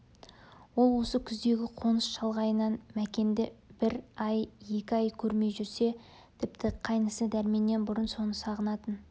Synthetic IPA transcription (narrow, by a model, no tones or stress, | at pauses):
wo̞lˠwo̞səkʲʰʏzd̪e̞ɡʲɪqʰo̞nəsʃɑlˠʁɑjənɑnmækʲe̞nd̪ɪbɪɾɑje̞kʲɪɑjkʲʰɵɾme̞jʒʏɾse̞ | t̪ʰɪp̚t̪ʰɪqʰɑjnəsəd̪æɾme̞nːe̞nbʊɾənso̞nəsɑʁənɑt̪ən